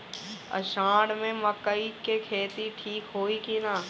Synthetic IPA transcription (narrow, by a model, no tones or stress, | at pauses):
ə̰ʃãːɽmẽməkːəikekʰeːt̪iʈʰiːkɦoːikinaː